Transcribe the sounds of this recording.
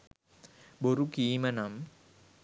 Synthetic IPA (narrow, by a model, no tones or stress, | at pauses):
boɾukiːmɐnɐm